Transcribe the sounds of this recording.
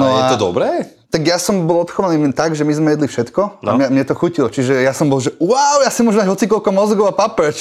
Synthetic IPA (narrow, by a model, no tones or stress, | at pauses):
nɔjɛat̪ɔd̪ɔ̰bɾɛː | t̪aɡjasɔmbɔlˠɔt̪xɔʋaniːmɛnt̪aɡʒɛmizmɛjɛd̪lifʃɛt̪kɔamɲɛmɲɛt̪ɔxucilɔt͡ʃiʒɛjasɔmbɔlˠʒɛwaʊjasimʊɔʒɛmd̪aɟɦɔt͡sikɔlkɔmɔzɡɔʊapapɛt͡ʃ